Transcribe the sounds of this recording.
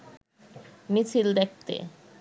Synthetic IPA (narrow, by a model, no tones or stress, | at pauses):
mit͡ɕʰild̪ɛk̚t̪ḛ